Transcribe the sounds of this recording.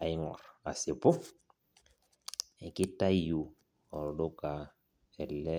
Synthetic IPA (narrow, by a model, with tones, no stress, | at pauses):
a˨ɪ˦ŋɔ̰˨ra̰˨se˨pʊ˦ | ɛ˨kɪ˦ta˦ju˨ | ɔ˨do˦ka˨ | ɛ˨lɛ˦